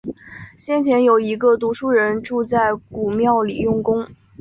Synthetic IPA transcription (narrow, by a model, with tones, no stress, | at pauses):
ɕjɛ˥˩nt͡ɕʰjɛ˧˥njo˨˩ʊi˧˥ɡə˧t̪̬u˧˥ʂu˥˩ɻə˧˥nʈ͡ʂu˥˧t͡sa˥˩ɪku˨˩mjɑ˥˩ʊli˨˩jʊ˥˩ŋkʊ˥ŋ